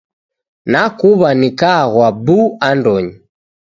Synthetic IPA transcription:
nakuβanikaɣwabuandɔɲi

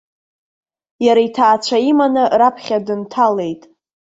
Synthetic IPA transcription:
jaɾaitʰaːt͡ʃʷʰaimanɨrapʰχʲadɨntʰale̞jtʼ

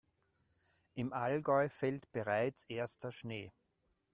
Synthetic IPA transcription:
ʔɪmʔalɡɔʏfɛltb̥əʁaɪt͡sʔeːɐstɐʃneː

